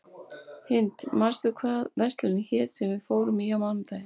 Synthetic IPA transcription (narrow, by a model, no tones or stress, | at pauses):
hɪnt̪mast̪ʏkʰvaːðvɛst̪lʏnɪçɛːt̪sɛmvɪðfoːwɾʏmiawmant̪aj